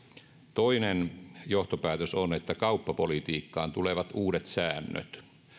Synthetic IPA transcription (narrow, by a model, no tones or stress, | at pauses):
t̪oinenjoht̪opæːt̪øsonet̪ːækɑupːɑpolit̪iːkːɑ̰ːnt̪uleʋɑt̪uːɾet̪sæːnːø̰t̪